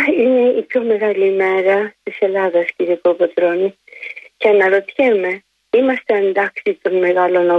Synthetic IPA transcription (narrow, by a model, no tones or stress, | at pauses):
ine̞ipçome̞ɣɐlimeɾɐst̪ise̞laðɐsciɾikopot̪ɾoni | cenɐɾot̪çeme̞ | imɐst̪ɐnd̪aksit̪onmeɣalonɐ